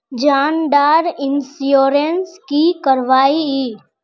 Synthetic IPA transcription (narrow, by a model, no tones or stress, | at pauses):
d͡ʒaːnɖ̪aːɾɪnsjoːɾenskikəɾʋaːiiː